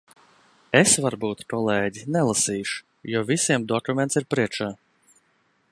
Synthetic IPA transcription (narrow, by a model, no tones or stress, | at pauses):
esvaɾbuːt̪kɔlˠɛːɟinɛlˠasiːʃu̥ | jɔːvʲisʲiɛmd̪ɔkumʲeɛnt̪siɾpɾiɛt͡ʃaː